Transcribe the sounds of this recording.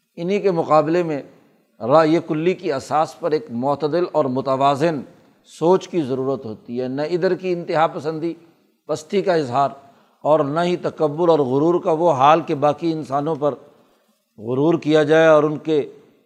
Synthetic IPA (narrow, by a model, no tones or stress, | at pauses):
ɪnɦikemʊqaːbɪlemẽ | ɾaːjekʊlːikiɐsaːspɐɾeːkmɔːt̪əd̪ɪlɔːɾmʊt̪əʋaːzɪn | soːt͡ʃkizɐɾuːɾət̪ɦoːt̪iɦɛːnɐɪd̪əɾkiɪ̃nt̪ɪɦapɐsə̃nd̪i | pɐst̪ikaɪzɦaːɾ | ɔːɾnɐɦit̪ɐkəbːʊɾɔːɾɣʊɾuːɾkaʋoɦaːlkebaːkiɪnsaːnõpɐɾ | ɣʊɾuːɾkijad͡ʒaːeɔːɾʊnke